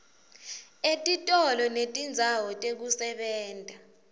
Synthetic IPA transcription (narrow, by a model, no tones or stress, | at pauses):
etʼitʼɔlɔnetʼind͡zʱawɔtʼek̬usɛɓɛːntʼa